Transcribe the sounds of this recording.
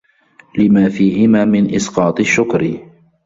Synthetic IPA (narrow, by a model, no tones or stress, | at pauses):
lɪmaːfiːhɪmaːmɪnʔɪsqɑːt̪ˤɪʃːʊkɾ